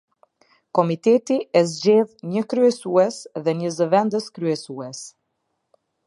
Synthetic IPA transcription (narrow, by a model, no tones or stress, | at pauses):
kɔmit̪ɛt̪iʔɛzd͡ʑɛðɲəkɾyɛsuɛsðɛɲəzəvɛnd̪əskɾyɛsuɛs